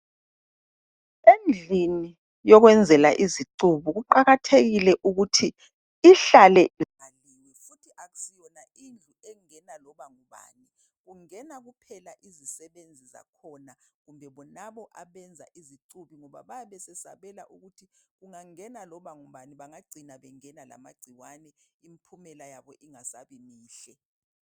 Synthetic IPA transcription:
end͡ɮʱini | jɔɣwɛnd͡zʱɛlaʔiziǀuβuɣuǃaɣatʰeɣilɛʔuɣutʰi | iɬalɛialinifutʰiʔaɣu̥sijɔna | ind͡ɮʱuɛŋɛnalɔβaŋuβa̰ːni | ɣuŋɛnaɣupʰɛlaʔizisɛβend͡zʱiza̰kʰɔnaɣumbʱɛβɔnaβɔʔaβɛnd͡zʱa̰ʔiziǀuβiŋɔβaβajaβɛsɛsa̰βɛlaʔuɣutʰiɣuŋaŋɛnalɔβaŋuβaniβaŋaɡ͡ǀʱinaβɛŋɛnala̰maɡ͡ǀ̥ʱiwanɛimpʰumɛlajaβɔʔiŋasaβimiːɬɛ

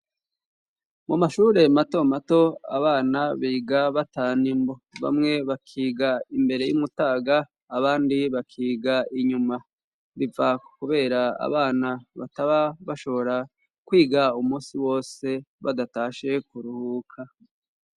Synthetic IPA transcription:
mumaʃuːɾe̞mato̞mato̞a̰βaːnaβiːɡaβataːnimbo̞βa̰mŋe̞βakʰiːɡaimbe̞ɾe̞jṵmutaːɡaː | βaːndiβakʰiːɡaiɲuma | βivakuβe̞ːɾaa̰βaːnaβa̰taβaβaʃo̞βo̞ɾa | kwiːɡaumuːsiwo̞ːse̞βa̰dataːʃe̞kuɾuhukʰa

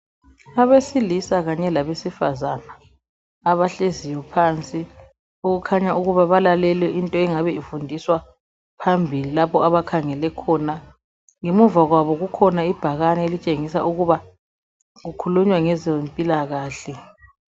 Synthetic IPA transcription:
aβesilisaɣaɲɛlaβesifa̰zanaː | βaɬezijwɔpʰaːnt͡sʼi | uɣukʰaɲauɣuβaβalalɛlɛʔintʼɔɛŋaβɛifundʱiswa | pʰambʱililapʰɔaβakʰaŋɛlɛkʰɔna | ŋemuvaɣwaβɔɣukʰɔnaib̥ʱaɣanɛelit͡ʃʼeŋisa̰ʔuɣuβa | ɣukʰuluɲwaŋɛzempʼilaɣaːɬɛ

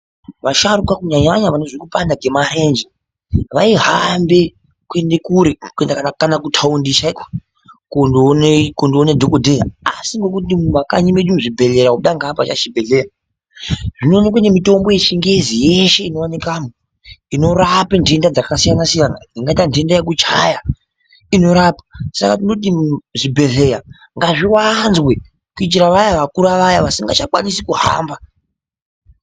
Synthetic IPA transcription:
ʋaʃaɾukakuɲaɲaɲaʋanoʐikupandaɡʱe̞maɾe̞nd͡ʒi | ʋaiɦambe̞ | kue̞nde̞kuɾekue̞ndakanakanakutʰaundiʃaiko̥ | kondnekondionedʱokodʱejaa̰siŋɡe̞kutimumaka̰ɲime̞ɗumuʐibʱe̞le̞ɾauɗaŋɡapat͡ʃaʃibʱe̞ɮe̞ra | ʐino̞ːnekwanemito̞mbo̞jet͡ʃiŋɡezije̞ʃe̞ino̞anekamo | ino̞ɾapinde̞ndad͡zakasijanasijanaiŋɡaitandendajek̬ut͡ʃaja | ino̞ɾapḁsakatino̞t̬iʐibʱe̞ɮe̞ja | ŋɡaʐiwanzwe̞ | kuit͡ʃiɾaʋajaʋakuɾaʋajaʋasiŋɡat͡ʃakwa̰nisikuha̰ːmba

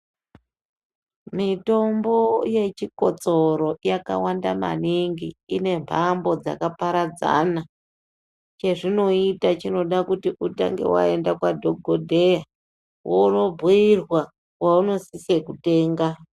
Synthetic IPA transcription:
mito̞mbo̞je̞t͡ʃiko̞t͡so̞ɾo̞jaka̰wandama̰niŋɡiːne̞mbʱambo̞d͡za̰kapaɾad͡za̰na | t͡ʃe̞ʐino̞itat͡ʃino̞ɗakutiʔuta̰ŋɡe̞̰wa̰e̞ndakwadʱoɡʱodʱe̞ja | wouno̞bʱuirwa | wauno̞sisiekute̞ːŋɡa

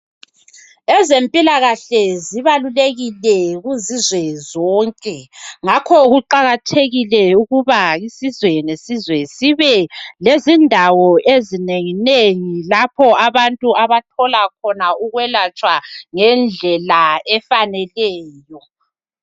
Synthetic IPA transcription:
ɛzempʼilaɣaɬɛziβaluleɣilɛɣuzizwɛzɔːŋkʼɛŋakʰɔɣuǃaɣatʰeɣilɛuɣuβaisizwɛnesizwɛsiβɛlezindʱawɔʔezineŋineŋilapʰɔaβantʼuaβatʰɔlak̚ʰɔnauɣwɛlat͡ʃʼwaŋɛnd͡ɮʱɛlaɛfanɛlɛːjɔ

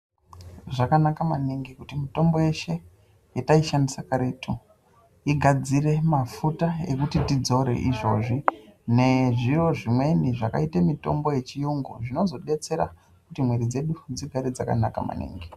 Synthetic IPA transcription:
ʐakanakamaniŋɡikutimito̞mbo̞je̞ʃe̞ | jetaiʃandisakaɾetʰu | iɡʱad͡zire̞mafutae̞̰kutitid͡zo̞ɾe̞̰ʔiʐo̞ːʐine̞ʐiro̞ʐimwe̞niʐaka̰itamito̞̰mbo̞je̞t͡ʃijuŋɡo̰ʐino̞zo̞ɗe̞t͡se̞ɾa̰ | kutimwe̞ɾid͡ze̞ɗud͡ziɡʱaɾed͡zaka̰naka̰ma̰nḭːŋɡi

